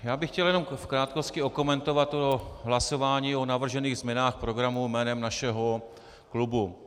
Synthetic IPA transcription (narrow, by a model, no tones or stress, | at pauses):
jaːbɪxcɛljɛno̞mfkɾaːt̪̚kost̪cɪoko̞mɛnt̪o̞vat̪oɦlaso̞vaːɲiːo̞navr̩ʒɛniːɣzmɲɛnaːxpɾo̞ɡɾamumɛːnɛmnaʃɛɦo̞ | klubu